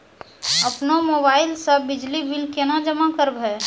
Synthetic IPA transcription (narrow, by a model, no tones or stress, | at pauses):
ɐpnomoːbaːɪlsɐbɪd͡ʒlibɪlkenad͡ʒəmakəɾbɦɛː